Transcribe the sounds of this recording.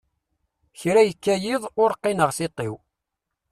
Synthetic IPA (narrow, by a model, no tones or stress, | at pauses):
çɾæjəkːæjɪðˤʊɾqːɪnəʁsɪt̪ˤːɪw